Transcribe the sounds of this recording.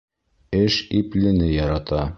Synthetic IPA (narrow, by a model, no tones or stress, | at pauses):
ɘʃiplɘ̆nɘjɒɾɑt̪ɑ